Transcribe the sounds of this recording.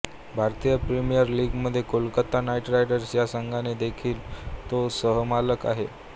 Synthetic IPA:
bʱaɾt̪ijəpɾimijəɾliːɡməd̪ʱːjekolkət̪ːanaiʈɾajɽəɾsjasəŋɡʱaned̪ekʰiːlt̪osəɦəmaləka̰ɦe

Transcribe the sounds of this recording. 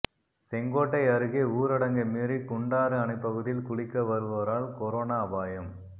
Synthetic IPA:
sɛŋɡoːʈːɐɪɐɾɯɣeːuːɾɐɽɐŋɡɐmiːrikʊɳɖaːɾɯɐnɐɪpːɐɣɯðɪlkʊɭɪkːɐʋɐɾɯʋɐɾaːlkɔɾoːnaːɐbaːjɐm

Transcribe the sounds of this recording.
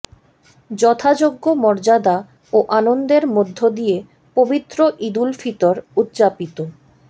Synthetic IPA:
d͡ʑɔt̪ʰad͡ʑoɡːomɔɾd͡ʑad̪a | oʔanond̪eɾmod̪ʱːod̪ije | pobit̪ːɾoʔid̪ulfit̪oɾut̪ːt͡ɕapit̪o

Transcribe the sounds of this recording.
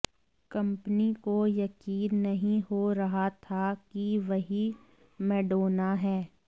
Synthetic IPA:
kɐ̃mpnikojɐkiːnːɐɦĩɦoɾɐɦat̪ʰakiʋɐɦi | mɛːɖoːnaɦɛː

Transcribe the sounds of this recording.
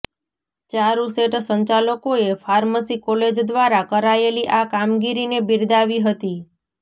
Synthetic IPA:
t͡ʃaɾũseʈsəɲt͡ʃaləkoefaɾməsikɔled͡ʒd̪ʋaɾakəɾaeliʔakamɡiɾinebiɾd̪aʋiɦət̪i

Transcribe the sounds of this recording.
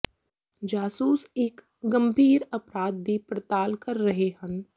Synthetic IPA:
d͡ʒaːsuːseːk | ɡɐ̃mbʱiːɾɐpɾaːd̪̚b̪ipɾɐt̪aːlkɐɾːɐɦeɦɐ̃n

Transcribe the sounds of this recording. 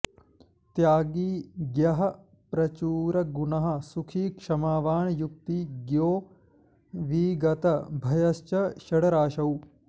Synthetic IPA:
t̪jaːɡiːɡjɐɦɐ | pɾɐt͡ʃuːɾɐɡuɳɐɦɐ̆sukʰiːkʂɐmaːʋaːɳjuk̚t̪iːɡjoː | ʋiːɡɐt̪ɐbʱɐjɐst͡ʃɐʃɐɽɐɾaːʃɐw

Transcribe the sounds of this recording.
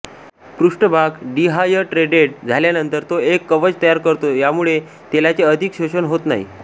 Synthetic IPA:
pɾuʂʈəbʱakɖiɦajəʈɾeɖeʈ̚d͡zʱaljanənt̪əɾt̪oekːəʋət͡ɕt̪əjaɾkəɾt̪ojamuɭe | t̪elat͡seəd̪ʱikɕəɕənɦot̪na̰ḭ

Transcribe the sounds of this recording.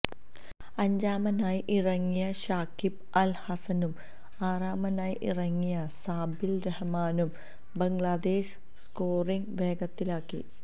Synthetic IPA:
ɐɲd͡ʑaːmɐnaːjʔirɐŋːijɐɕaːkib | ɐlhɐsɐnum | aːraːmɐnaːjʔḭrɐŋːijɐsaːbilɾɐhɐmaːnum | bɐŋɭaːd̪eːɕ | skoːriŋʋe̞ːɡɐt̪ːilaːkːḭ

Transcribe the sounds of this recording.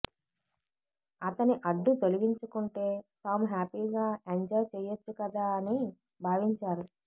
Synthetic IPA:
ɐt̪ɐniʔɐɖːut̪oluʋiɲt͡ʃukuɳʈe̞ːt̪aːmuɦaːpiːɡaːeɲd͡ʒɐjt͡ʃɛːjɐt͡ʃːukɐd̪aːɐni | bʱaːʋiɲt͡ʃaːɾu

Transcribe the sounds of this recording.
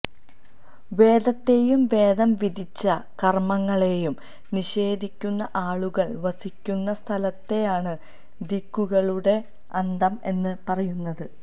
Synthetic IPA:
ʋe̞ːd̪ɐt̪ːe̞jumʋe̞ːd̪ɐmʋid̪ʱit͡ɕːɐkɐrmɐŋːɐɭe̞jum | niɕe̞ːd̪ʱikʲːunːɐʔaːɭuɣɐɭʋɐsikʲːunːɐst̪ʰɐlɐt̪ːe̞jaːɳɨ | d̪ikːuɣɐɭuɽe̞ | ɐnd̪ɐme̞nːɨpɐrɐjunːɐðɨ

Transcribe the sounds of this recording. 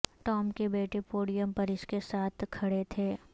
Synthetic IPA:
ʈɔːmkebeːʈepoːɽijəmpɐɾɪskesaːt̪ʰkʰɐɽet̪ʰeː

